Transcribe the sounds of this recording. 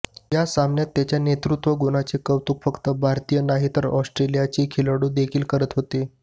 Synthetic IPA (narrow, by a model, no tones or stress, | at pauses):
jasamnjat̪ːjat͡ɕjanet̪ɾut̪ʋəɡunat͡sekəʋt̪uːkfəkt̪əbʱaɾt̪ijənaɦit̪əɾɔsʈɾelijat͡ɕiːkʰiləɽuːd̪ekʰiːlkəɾət̪ɦot̪e